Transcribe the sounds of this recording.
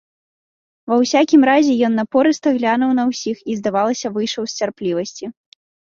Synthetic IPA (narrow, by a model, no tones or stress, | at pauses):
vɐwsʲakʲimɾazʲɛjɔnːɐpɔɾɨst̪ɐɣlʲanɐwnɐwsʲixizd̪avalˠɐsʲɐvɨjʂɐwsʲt͡sʲarplʲivɐsʲt͡sʲi